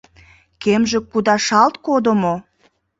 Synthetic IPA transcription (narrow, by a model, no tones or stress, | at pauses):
kemʒĕkːud̪ɑʃɑlt̪kod̪omo